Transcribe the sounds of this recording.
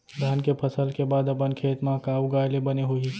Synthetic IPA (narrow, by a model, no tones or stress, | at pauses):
d̪ʱaːnkepʰəsəlkebaːd̪ɐpənkʰeːt̪mãkaːuɡaːjlebɐneɦui